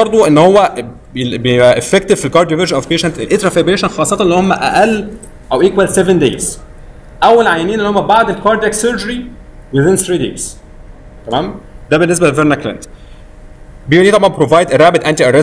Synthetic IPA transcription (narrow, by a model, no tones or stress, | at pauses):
ɑɾˤd̪ˤoʔenːhowːæ | beeʔæʔefːekt̪ev̥filkɑɾd̪joveɾʒænʔɔvpeːʃænt̪ʔelʔet̪ɾˤɑfebɾeːʃænxɑːsˤːɑt̪ʔelːihomːæʔæ̰ʔælː | ʔæwʔiːkwælsevend̪ḛːz̥ | ʔæwːælʕajæniːnelːihomːæbaʕd̪elkɑɾd̪æksøɾd͡ʒøɾi | wɪðɪnθɾiːd̪ḛːz̥ | t̪æmæːmd̪æbenːes̬bælelveɾnæklæ̰nt̪ | beulit̪ɑbʕɑnbepɾovɑjd̪eɾˤæːbed̪ʔænt̪iʔæɾɛ